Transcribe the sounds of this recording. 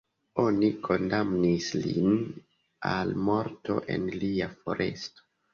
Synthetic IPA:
o̞nikʰo̞ndamnislḭn | almo̞ɾto̞̰ʔe̞̰nliafo̞̰ɾʔe̞̰sto̥

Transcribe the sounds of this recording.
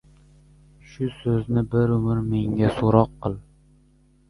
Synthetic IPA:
ʃʊsɵznɪbɪɾʊmɪɾme̞ŋɡʲasoɾɒqːɨlˠ

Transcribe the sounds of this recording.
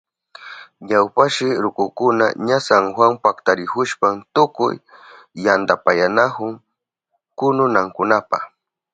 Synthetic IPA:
ɲawpaʃɪɾʊkʊkʊna̰ɲasaŋxwaŋpakt̪aɾɪhʊʃpamt̪ʊkʊ̰jː | and̪apajanahʊŋ | kʊnʊnaŋkʊnapa̰x

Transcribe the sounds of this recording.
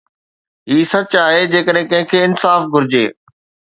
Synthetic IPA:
ɦiːsɐt͡ɕaːɦed͡ʑeːkəɗɦẽkɐ̃ɦɪ̃kʰeːɪnsaːfɡʱʊɾɪd͡ʑḛː

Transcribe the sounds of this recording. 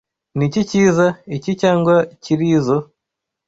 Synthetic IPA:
niciciːzaicicaːŋɡwaciɾizo

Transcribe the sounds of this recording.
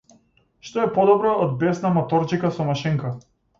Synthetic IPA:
ʃt̪ɔɛpɔd̪ɔbɾaːd̪̚bɛsnamɔt̪ɔɾt͡ʃikasɔmaʃɛŋka

